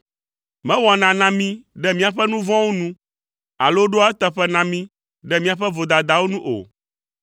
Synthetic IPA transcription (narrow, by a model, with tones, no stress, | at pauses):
mɛ̃˦wɔ˨nã˨nã˨mĩ˦ɖɛ˦mĩ˦a˨ɸɛ˦nũ˦vɔ̃˦wo˦nũ˦ | a̰˨lo˦ɖo˦a˦ɛ˦t̪ɛ˦ɸɛ˦nã˨mĩ˦ | ɖɛ˦mĩ˦a˨ɸɛ˦vo˨d̪a˨d̪a˨wo˦nũ˦ʔo̰˨